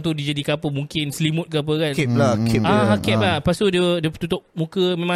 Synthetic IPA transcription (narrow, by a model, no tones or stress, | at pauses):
t̪̬udid͡ʒadikəapəmuŋkɪnslimʊt̪̚kəap̬əkanɛlakɛakɛlapast̪udiədiət̪ut̪ʊʔ̚mũkəmẽmã